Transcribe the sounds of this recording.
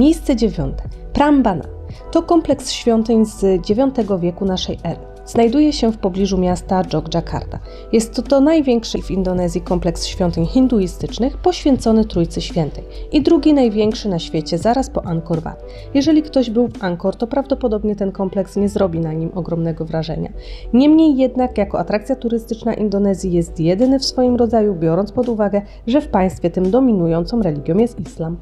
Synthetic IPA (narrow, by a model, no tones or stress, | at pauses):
mʲjejst̪sɛd͡ʑevʲjɔ̰nt̪ɛ̥pɾambana̰t̪ɔkɔmplɛksɕfʲjɔnt̪ɘɲzd͡ʑevʲjɔnt̪ɛɡɔvʲjɛkunaʂɛjʔɛɾɘ | z̥najd̪ujɛɕɛfpɔblʲiʐumʲjast̪ad͡ʐɔɡd͡ʐakʰa̰ɾd̪a̰ | jɛst̪ːɔnajvʲjɛŋkʂɘvind̪ɔnɛzʲjikɔmplɛksɕfʲjɔnt̪ɘɲxind̪uist̪ɘt͡ʂnɘxpɔɕfʲjɛnt̪sɔnɘt̪ɾujt̪sɘɕfʲjɛnt̪ɛjid̪ɾuɡʲinajvʲjɛŋkʂɘnaɕfʲjet͡ɕɛzaɾaspɔʔankɔɾva̰t̪ | jɛʐɛlʲikt̪ɔʑbɘwfaŋkɔɾt̪ɔpɾavd̪ɔpɔd̪ɔbɲɛt̪ɛnkɔmplɛksɲɛzɾɔbʲinaɲimʔɔɡɾɔmnɛɡɔvɾaʐɛ̰ɲa̰ɲɛmɲejːɛd̪nakjakɔʔat̪ɾakt̪sʲjat̪uɾɘst̪ɘt͡ʂnaʔind̪ɔnɛzʲjijɛst̪jɛd̪ɘnɘfsfɔjimɾɔd̪zajubʲjɔɾɔnt̪pɔd̪uvaɡɛ | ʐɛfpaj̃st̪fʲjɛt̪ɘmd̪ɔmʲinujɔnt̪sɔ̃mɾɛlʲiɡʲjɔmjɛst̪islam